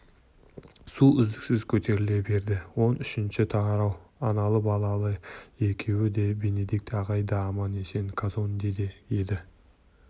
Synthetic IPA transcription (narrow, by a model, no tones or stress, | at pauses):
suʏzd̪ɪksɪzkʲʰɵt̪ʰe̞ɾɪle̞be̞ɾd̪ɪwo̞nʏʃɪnʃɪt̪ʰɑɑɾɑwɑnɑlˠəbɑlˠɑlˠəe̞kʲʰe̞wɪd̪e̞be̞ne̞d̪ik̚t̪ɑʁɑjd̪ɑmɑne̞se̞ŋkʰazo̞nd̪e̞d̪ejed̪ɪ